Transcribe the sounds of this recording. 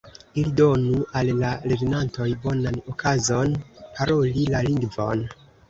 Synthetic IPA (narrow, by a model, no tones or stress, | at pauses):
ilido̞nuʔalːaɾednanto̞jbo̞nanokʰazo̞npʰaɾo̞lilaliŋɡvo̞̰n